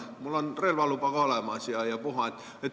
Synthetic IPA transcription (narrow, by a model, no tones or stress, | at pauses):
mulːonrelʋɑlupɑkoolemɑˑsiɑjɑpuhɑet̪ | et̪